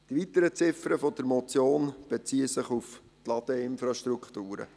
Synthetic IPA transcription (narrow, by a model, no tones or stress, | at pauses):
d̥iʋit̪əɾət͡sɪfəɾəfɔd̪əɾmɔt͡sjoːnb̥et͡siːəsɪχuf | t̪lɑd̪̥əɪnfɾɑʃtɾukχt̪uːɾə̰